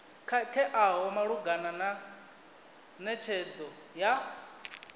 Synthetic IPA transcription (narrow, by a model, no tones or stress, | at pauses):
kʰatʰɛʔaɦɔmaɺuɡanana | nɛt͡ʃʰɛd͡zɔ | ja